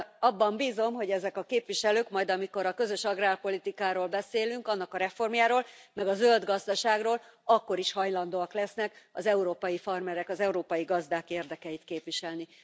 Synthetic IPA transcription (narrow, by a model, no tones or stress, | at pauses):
ɒbːɒmbiːzo̞mɦo̞ɟɛzɛkɒkeːpʋiʃɛløːkmɒjd̪ɒmiko̞ɾɒkø̞zø̞ʃɒɡraːlpo̞lit̪ikaːɾoːlbɛseːlyŋkɒnːɒkɒɾɛfo̞rmjaːɾoːlmɛɡɒzøld̪ɡɒzd̪ɒʃaːɡroːlɒkːo̞ɾiʃhɒjlɒn̪d̪oːɒklɛsnɛkɒ̰zɛuɾoːpɒjifɒrmɛɾɛkɒzɛuɾoːpɒjiɡɒzd̪aːkeːrd̪ɛkɛjit̪keːpʋiʃɛlni